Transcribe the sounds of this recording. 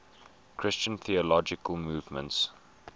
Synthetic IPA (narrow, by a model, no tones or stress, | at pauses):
kʰɹ̥ɪst͡ʃə̃nθiəlɔd͡ʒɪkəlˠmuːvmə̰̃nts